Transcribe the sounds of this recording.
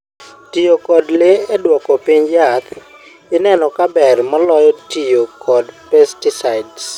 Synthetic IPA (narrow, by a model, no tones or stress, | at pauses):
tijokɔdlɪedwɔkɔpiɲjat̪ | ɪnɛnɔkabɛrmalɔjɔtijokʰɔdpɛstisaɪds